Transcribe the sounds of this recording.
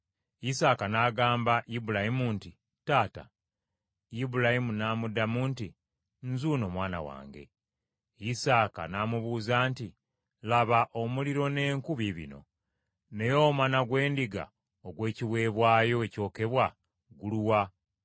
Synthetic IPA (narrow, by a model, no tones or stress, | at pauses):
isaːkanaɡaːmbaibulahimunti | taːta̰ | jibulahimunaːmudamuːnti | nzuːno̞mwaːna̰wa̰ːŋɡe̞̰ | isaːka̰naːmuβuːzaːnti | laβaʔo̞muliɾo̞ne̞ːŋkuβiβḭno̞̰ | ne̞jo̞ːmanaɡwe̞ːndiɡa̰ | oɡwe̞ːciβwe̞ːβwaːjo̞eco̞ːke̞βwa | ɡuluwa